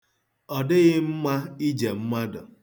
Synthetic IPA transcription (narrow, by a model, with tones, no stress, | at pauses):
ɔ˨dɪ˦ɣɪ˦m̩˦ma˦i˦d͡ʒe˨m̩˦ma˦dʊ̰˨